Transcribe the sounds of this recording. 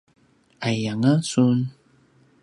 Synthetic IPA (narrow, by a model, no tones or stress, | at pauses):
ajaŋasun